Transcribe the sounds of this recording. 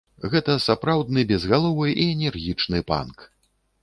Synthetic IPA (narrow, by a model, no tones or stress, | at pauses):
ɣɛt̪ɐsapɾawd̪̚nɨbʲɛzɣalˠɔvɨʔiɛnʲɛrɣʲit͡ʂnɨpa̰nk